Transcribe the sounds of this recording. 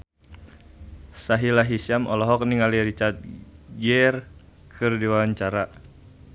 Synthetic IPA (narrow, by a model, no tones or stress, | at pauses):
saɦilaɦisiamʔɔlɔɦɔk̚niŋaliɾit͡ʃat̪̚ɡɛr | kʰɨrdiwaaɲt͡ʃaɾa